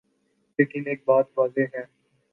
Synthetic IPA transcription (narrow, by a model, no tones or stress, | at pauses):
leːkɪneːk̚baːt̪ʋaːzeɦɛ̃ː